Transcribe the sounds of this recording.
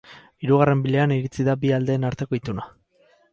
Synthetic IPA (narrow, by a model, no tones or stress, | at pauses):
iɾuɣ̞are̞mbile̞aniɾit͡siðabiald̪e̞ːnaɾt̪e̞ko̞it̪una